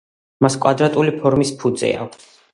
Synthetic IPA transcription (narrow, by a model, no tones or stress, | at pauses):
maskʼwad̪ɾat̪ʼulipʰɔɾmispʰud̪zɛ̰a̰